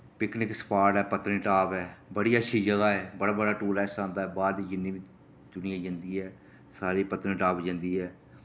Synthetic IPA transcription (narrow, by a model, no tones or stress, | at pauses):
pɪknɪkspaːʈɛːpət̪ɾɪ̃ʈaːpɛːbəɽiːəʃʰiːd͡ʒəɡaːɛːbəɽaːbəɽaːʈuːɾɛːsãːnd̪aːɛːbaːɾd̪iːd͡ʒɪniːʋi | d̪ʊnɪjãːd͡ʒə̃nd̪iːɦɛː | saːɾiːpət̪ɾɪ̃ʈaːpd͡ʒə̃nd̪iːɦɛː